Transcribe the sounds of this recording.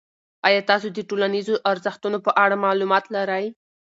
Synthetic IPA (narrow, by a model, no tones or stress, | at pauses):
ɑjɑt̪ɑsod̪əʈolanizoʔaɾzəxt̪unopəʔaɽamɑlumɑt̪laɾaj